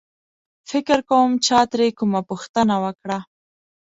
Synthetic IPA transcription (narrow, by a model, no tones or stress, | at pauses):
fɪkɪɾkawəmt͡ʃɑt̪ɾekumapuxt̪ənawəkɽa